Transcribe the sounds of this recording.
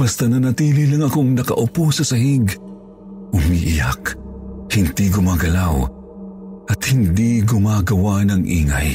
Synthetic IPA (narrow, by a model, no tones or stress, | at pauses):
b̥ɐst̪anɐnɐt̪iːlɪlɐŋɐkoŋnɐkɐ̰ʔʊposɐsɐɦiɡ | ʔʊmiʔɪja̰khɪnt̪iɡʊmaːɡɐlaw | ʔɐt̪hɪnd̪iɡʊmaːɡɐwanɐŋʔḭːŋa̰j